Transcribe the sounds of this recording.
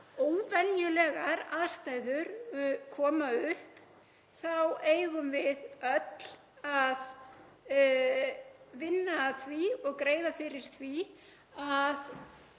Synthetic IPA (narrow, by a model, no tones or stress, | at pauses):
oːwvɛnjʏlɛɣaɾaðst̪aːjðʏɾkʰɔːmaʏhp | θaweːjɣʏmvɪðœt̪l̥ | að | vɪnːaθviɔɣkɾeːjðafɪɾɪɾ̥θvi | að